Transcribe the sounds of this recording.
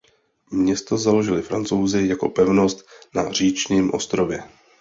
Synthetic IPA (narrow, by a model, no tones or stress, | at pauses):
mɲɛst̪o̞zalo̞ʒɪlɪfɾant͡so̞wzɪjako̞̰pɛvno̞st̪nar̝iːt͡ʃɲiːmʔo̞̰st̪ɾo̞vjɛ